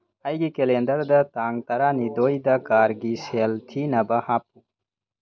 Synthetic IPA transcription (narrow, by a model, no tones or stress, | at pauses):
ɐjɡikelend̪ɐɾd̪ɐt̪aŋt̪ɐɾanid̪ojd̪ɐkaɾɡiselt̪ʰinɐbɐhapu